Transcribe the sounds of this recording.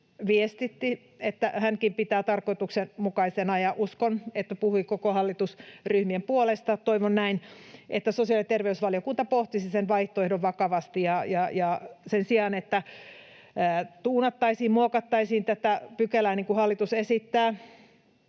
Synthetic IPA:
ʋiest̪it̪ːi | et̪ːæhæŋkimpit̪æːt̪ɑrkoit̪uksenmukɑisenɑjɑʔuskonet̪ːæpuhuikokohɑlːit̪usryhmiempuolest̪ɑt̪oiʋonnæinʔet̪ːæsosiɑlit̪erʋeysʋɑliokunt̪ɑpoht̪isisenʋɑiht̪oehdoʋʋɑkɑʋɑst̪ijɑjɑjɑsensiɑːnet̪ːæ | t̪uːnɑt̪ːɑisiːmmuokɑt̪ːɑisiːnt̪æt̪æpykelæːniŋkuhɑlːit̪usesit̪ːæː

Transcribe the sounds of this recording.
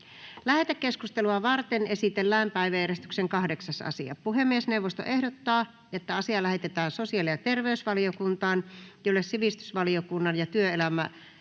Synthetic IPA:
læhet̪ækkːeskust̪eluɑʋɑrt̪enesit̪elːæːmpæiʋæjæɾest̪y̥kseŋkɑhdeksɑsɑ̰siɑ̰puhemːiesneuʋːost̪o̰ʔehdot̪ːɑː | et̪ːæɑsiɑlæhet̪et̪æːnsosiɑliɑt̪erʋeysʋɑliokunt̪ɑːnjolːessiʋist̪y̥sʋɑliokunːɑnjɑt̪yøelæmæ̰

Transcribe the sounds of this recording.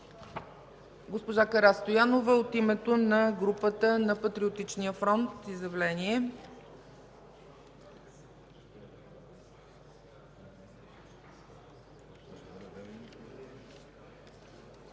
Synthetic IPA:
ɡospoʒakɐɾast̪ojanovəot̪imɛt̪onɐɡɾupət̪ənɐpɐt̪ɾiot̪it͡ʃniəfɾɔnt̪izjɐvlɛniɛ

